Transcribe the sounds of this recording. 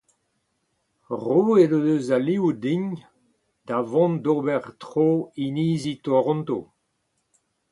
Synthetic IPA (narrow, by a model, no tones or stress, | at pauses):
ʁoːedodøzaliud̪iɲ | d̪̥avɔ̃ndobɛʁtʁoːiniːzit̪oʁɔ̃nt̪o̰